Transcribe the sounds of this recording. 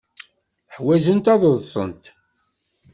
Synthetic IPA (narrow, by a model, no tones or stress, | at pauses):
əħwæʒənt̪ɑðˤəðˤsˤə̰nt̪